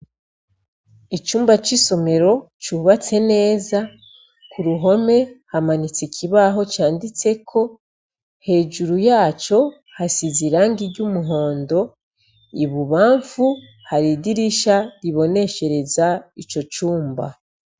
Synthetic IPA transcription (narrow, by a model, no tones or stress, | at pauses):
it͡ʃuːmbat͡ʃiso̞me̞ɾo̞ | t͡ʃuːβat͡se̞ne̞ːza | kuɾuɦo̞me̞hamanit͡sicʰiβaɦo̞t͡ʃaːndit͡se̞kʰo̞ | he̞ːʒuɾujaːt͡ʃo̞ | hasiziɾaːŋɡiɟumuɦo̞ːndo̞ | iβuβaːɱfu | haɾidiɾiʃaɾiβo̞ne̞ʃe̞ɾe̞zait͡ʃo̞t͡ʃuːmba̰